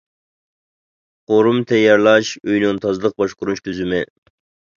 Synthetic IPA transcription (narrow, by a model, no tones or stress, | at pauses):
qoɾumt̪ʰɛjɑɾlˠɑʃøjnunt̪ʰɑzlˠəq̚bɑʃqʊɾuʃt̪ʰyzymɪ